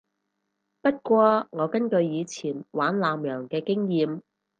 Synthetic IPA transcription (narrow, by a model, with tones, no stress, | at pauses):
pɐ˥t̚kʷɔː˧ŋɔː˨˧kɐ˥nkɵ˧ɥjiː˨˧t͡sʰiː˨˩nwaː˨˥nlaː˨˧mjœː˨˩ŋkɛː˧kɪ˥ŋjiː˨˧m